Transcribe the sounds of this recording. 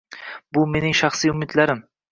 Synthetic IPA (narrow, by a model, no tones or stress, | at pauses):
bʊme̞nɪŋʃaχsijʊmɪd̪laɾɪm